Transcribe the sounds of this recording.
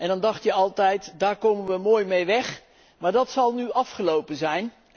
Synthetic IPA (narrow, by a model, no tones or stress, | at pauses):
ʔɛndɑndɑχtjəɑlˠtɛjtdaːɹkowmənʋəmoːjmejʋɛχ | maːɹdɑtsɑlˠnyʔɑfχəlowpənzɛjn